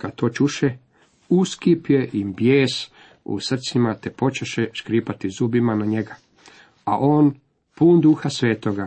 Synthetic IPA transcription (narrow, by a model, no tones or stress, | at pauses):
kad̪t̪o̞ːt͡ʃuʃe | uskipje̞ʔimbjeːs | ṵsr̩t̪simat̪epo̞t͡ʃeʃeʃkɾiːpat̪izubimanaɲe̞ɡa | aʔo̞ːn | puːnd̪uːxasʋeːt̪oɡa